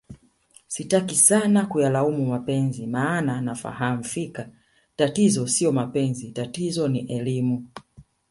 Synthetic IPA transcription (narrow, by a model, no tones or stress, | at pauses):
sitakisanakujalaumumapɛnzimaːnanafa̰ham̩fika | tatizɔsiɔmapɛnzitatizɔniʔɛlimu